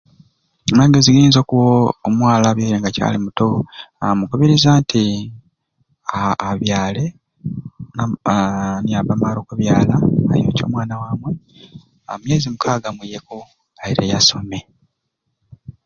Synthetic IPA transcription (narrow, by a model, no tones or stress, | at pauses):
maːŋɡeziɡiːnzo̞ːkuwoːmwaːlaβjoːjeŋɡaca̰limutoamukuβiɾizaːntʰi | aːβjaːle̞ | n | niaβamaːlo̞ːkuβjaːlaa̰jo̰co̞̰ːmwaːnawaːmwe̞ | amje̞ːzimukʰaːɡamwijeko | aiɾḛjaso̞me̞